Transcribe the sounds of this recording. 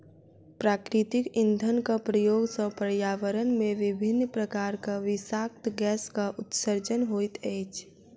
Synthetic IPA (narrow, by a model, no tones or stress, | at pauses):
pɾaːkɾɪt̪ɪkɪ̃nd̪ʱənkapɾəjoːɡsəpəɾjaːʋəɾənmẽʋɪbʱɪnːpɾəkaːɾkaʋɪsaːk̚t̪ɡɛːskaʔʊt̪səɾd͡ʒənɦoːit̪ʰɛːt͡ʃ